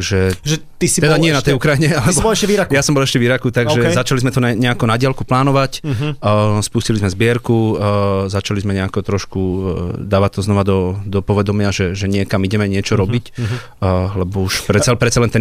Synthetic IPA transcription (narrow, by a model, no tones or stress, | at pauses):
ʒɛʒɛt̪isiɛd̪aɲɪɛnat̪ɛjukɾajiɲɛalɛsbɔɛʃɛʋiɾakjasɔmbɔlɛʃcɛʋiɾakut̪aɡʒɛzat͡ʃalizmɛt̪ɔnɛɲɛakɔnaɟɪalkuplaːnɔʋacː | spuscilizmɛzbɪɛɾkuzat͡ʃalizmɛɲɛakɔt̪ɾɔʃkud̪aːʋac̚t̪ɔznɔʋad̪ɔd̪ɔpɔʋɛd̪ɔmɪaʒɛʒɛɲɪɛkamiɟɛmɛɲɪɛt͡ʃɔɾɔbic | lɛbɔuʃpɾɛpɾɛt̪t͡sːsalɛnt̪ɛn